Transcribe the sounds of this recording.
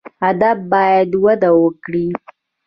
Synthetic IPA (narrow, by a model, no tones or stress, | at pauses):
ad̪afbɑjad̪wad̪awəkɽi